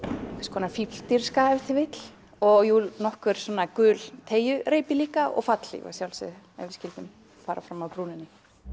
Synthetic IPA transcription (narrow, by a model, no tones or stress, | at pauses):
kskʰɔːnafipl̥t̪iɾ̥skaɛɾθɪvɪt̪l̥ | ɔɣjunɔhkʏɾ̥sɔːnːakʏːlt̪ʰeːjʏɾeːjpɪliːkaɔ̰ɣfat̪l̥ḭva̰sjawlsɪ̰ɛ̰vɪscɪlt̪ʏm | faːɾʔa̰fɾamawpɾuːnɪnːɪ